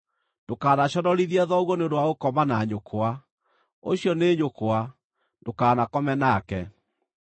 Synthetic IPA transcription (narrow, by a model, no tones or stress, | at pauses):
nd̥okaːnaɕɔnɔɾiðiaðɔɣwɔneodowaokɔmanaɲokʰoa | o̰ɕiɔneɲokoa | ndokaːnakɔmɛnakɛ